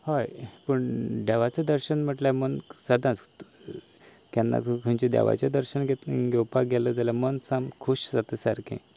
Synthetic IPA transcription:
hɔjpəɳɖ̪aʋat͡sed̪əɾɕənm̤əʈlamənsad̪ãt͡s | kjanːa̰kʰə̃ɲt͡ɕid̪a̰ʋa̰t͡ɕad̪əɾɕənɡet̪ɡɛwpaɡɛləd͡zalamənsamkʰuɕsat̪əsaɾkḛ̃

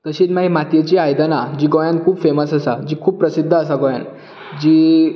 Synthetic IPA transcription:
t̪əɕiːt̪maɦimat̪jet͡ɕiːajd̪ənad͡ʑiːɡojãnkʰuːbfeməsəsad͡ʑiːkʰuːbppɾəsid̪ʱːəːs̬aɡoja̰n | d͡ʑiː

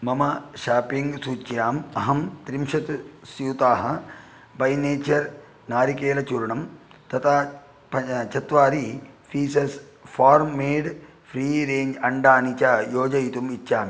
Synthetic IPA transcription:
mɐmɐʃaːpiŋɡsuːt͡ʃjaːmɐɦɐmt̪ɾimʃɐt̪sjuːt̪aːɦɐ | bɐjneːt͡ʃɐɾ | naːɾikeːlɐt͡ʃuɾɳɐmt̪ɐt̪ʰa | pɐt͡ʃɐt̪ʋaːɾifʰiːsɐs | fʰaːɾmːeːɖ | pʰɾiːɾeːɲd͡ʒɐɳɖaːnit͡ʃɐjoːd͡ʒɐjt̪umitːʃaːmi

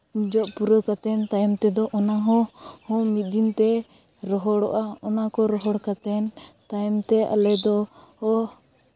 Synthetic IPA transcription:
d͡ʒɔʔpuɾəkat̪ɛnt̪ajmt̪ɛd̪ɔʔɔnaɦɔ̃hɔ̃mit̪̚ˀd̪int̪ɛ | ɾɔɦɔɽɔ̰ʔaɔnakɔɾɔɦɔɽkat̪ɛnt̪ajmt̪ɛʔa̰lɛd̪ɔhɔ

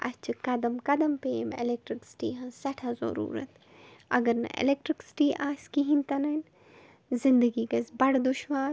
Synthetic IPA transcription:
ɐ̰st͡ʃʰikɐd̪ɐmkɐd̪ɐmpeːmḛlek̚ʈɾiksi̥ʈiːɦɐnsɐʈʰɐzo̰ɾṵːɾɐ̰t̪ | ɐɡɐɾnɐ̰ʔḛlek̚ʈɾiksʈiʔaːskiɦĩnt̪ɐnɐn | zɪnd̪əɡiːkɐsbɐɽd̪uʃʋaː

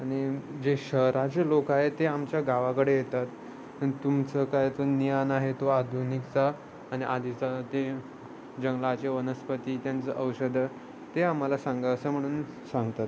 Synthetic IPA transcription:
aɽ̃id͡ʑeɕəɦɾat͡selokaɦet̪eamt͡ɕjaɡaʋakəɽejet̪at̪ | ait̪umt͡səkajet̪onijanaɦet̪oad̪ʱunikt͡saː | ɽ̃iʔad̪ʱit͡sat̪e | d͡ʑəŋɡlat͡seʋənəspət̪iːt̪jant͡səʔəwɕəd̪ʱə | t̪eamːalasãŋɡaəsəːm̤əɽ̃uːn | sãŋɡt̪at̪

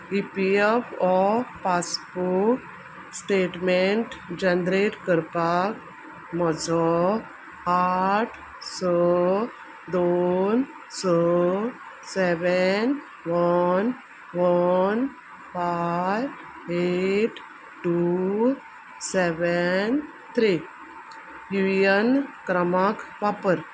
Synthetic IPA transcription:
ipiefɔpaspoɾk | sʈeːʈmeɳʈd͡ʒɐnd̪ɾeʈkəɾpak | mɔd͡zɔ | aʈ | sə | d̪on | sə | seʋən | ʋən | ʋən | faj | eʈ | ʈu | seʋən | t̪ʰɾi | ɦujənkɾəmakʋapəɾ

